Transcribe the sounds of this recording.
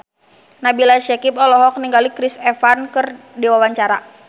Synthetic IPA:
nabilaʃɛkipɔlɔɦɔk̚niŋɡalikɾɪsɛfankɨrdiwawaɲt͡ʃaɾa

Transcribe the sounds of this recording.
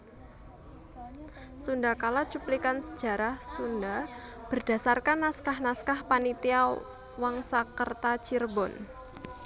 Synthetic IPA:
sundakalat͡ʃuplikansə̥d̥d͡ʒʒ̥a̤ɾahsundab̥ə̤rd̥ä̤sarkanːaskahnaskahpanit̪ia | waŋsakərt̪at͡ʃirbɔn

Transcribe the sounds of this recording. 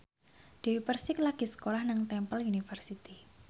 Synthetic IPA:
d̥ewipərsɪklaɡ̥i̤sə̥kolahnaŋt̪ɛmpəlunifərsit̪i

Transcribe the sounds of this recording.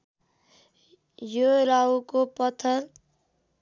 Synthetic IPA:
joɾaukopʌt̪ʰəɾ

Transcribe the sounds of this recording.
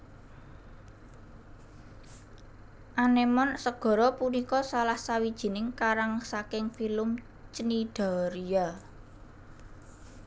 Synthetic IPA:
ʔanemɔnsəɡ̥ɔ̤ɾɔpunikɔsalahsawid̥ʒ̥i̤nɪŋkaɾaŋsakɪŋfilʊm | t͡ʃənid̥a̤ɾija

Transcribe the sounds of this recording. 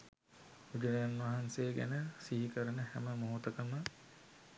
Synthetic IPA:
ud͡ʒɐlejanʋaɦanseːɡæ̰nəsiɦikəɾənəhæməmoɦut̪əkəmə

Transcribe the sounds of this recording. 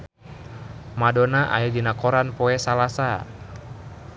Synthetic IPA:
madɔnaʔa̰jadinakɔɾanpɔɛsalasa

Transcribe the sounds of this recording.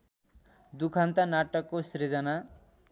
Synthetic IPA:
d̪ukʰant̪anaʈʌkːosɾed͡zʌna

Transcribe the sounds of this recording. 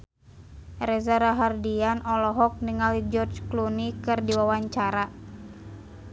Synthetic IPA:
rɛzaɾaɦardianʔɔlɔɦɔk̚niŋalid͡ʒɔrt͡ʃklunikɨrdiwawaɲt͡ʃaɾa

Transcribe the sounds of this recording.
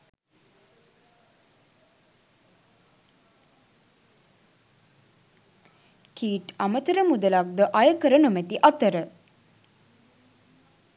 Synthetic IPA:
kiːʈamət̪əɾəmud̪əlak̚d̪əʔajəkəɾənumæt̪iʔat̪əɾə

